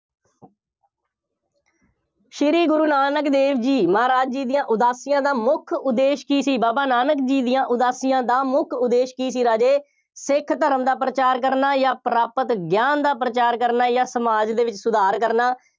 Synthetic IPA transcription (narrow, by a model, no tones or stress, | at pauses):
ʃɪɾiːɡʊɾuːnaːnəkd̪eːʋd͡ʒiːməaːɾaːd͡ʒd͡ʒiːd̪ɪjãːʔʊd̪aːsɪjãːd̪aːmʊkʰʊd̪ːeːʃkiːsiːbaːbaːnaːnəkd͡ʒiːd̪ɪjãːʔʊd̪aːsɪjãːd̪aːmʊkʰʊd̪eːʃkiːs̬iːɾaːd͡ʒeː | sɪkʰt̪əɾəmd̪aːpɾət͡ʃaːɾk̬əɾnaːjaːpɾaːpət̪ɡjaːnd̪aːpɾət͡ʃaːɾkəɾnaːjãːsəmaːd͡ʒd̪eːʋɪt͡ʃsʊd̪aːɾkəɾnaː